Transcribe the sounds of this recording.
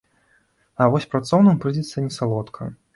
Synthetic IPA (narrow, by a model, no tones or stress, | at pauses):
ɐvɔsʲpɾat̪sɔwnɨmpɾɨd͡zʲɛt̪sːɐnʲɛsalˠɔt̪kʰɐ